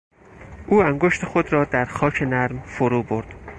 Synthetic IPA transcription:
ʔuːæŋɡoʃt̪ʰe̞xo̞d̪ɾɒːd̪æɾxɒːcʰe̞næɾmfoɾuːbo̞ɾd̪̥

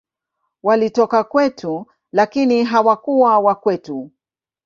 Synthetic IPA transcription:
walitɔkakwɛtʰu | lakiniɦawakuwawakwɛtu

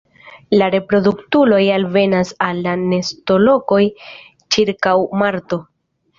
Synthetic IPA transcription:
laɾe̞pɾo̞duktulo̞jalve̞nasalːane̞sto̞lo̞ko̞j | t͡ʃiɾkawmaɾto̞

